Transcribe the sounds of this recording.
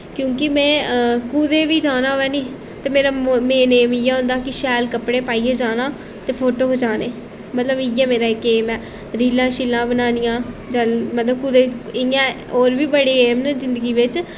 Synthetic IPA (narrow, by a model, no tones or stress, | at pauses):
kjõːkɪmɛ̃ːkuːd̪eːʋiːd͡ʒaːnaːɦʋɛːniː | t̪eːmeːɾaːmeːneːmɪjɛːɦʊ̃ːnd̪aːkɪʃɛːlkəpɽeːpaːiːeːd͡ʒaːnãː | t̪eːpʰoːʈoːkəd͡ʒaːneː | mət̪ləbɪjɛːmeːɾaːɪkːeːmɛː | ɾiːlãːʃiːlãːbənaːnɪjãːd͡ʒamət̪ləb̚kuːd̪eːɪãː | oːɾʋiːbəɽeːeːmnzɪnd̪əɡiːʋɪt͡ʃ